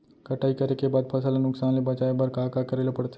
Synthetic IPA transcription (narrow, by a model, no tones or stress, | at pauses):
kəʈʰaikəɾekebaːd̪̚pʰəsəlanʊksanlebət͡ʃaebəɾkakakəɾelepəɽt̪e